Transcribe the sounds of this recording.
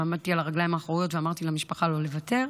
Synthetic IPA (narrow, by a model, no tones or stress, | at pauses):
amad̪t̪ialaʁaɡlajimhaːχʁojo̞t̪veamaʁt̪ilamiʃpaχalo̞le̞vat̪e̞ʁ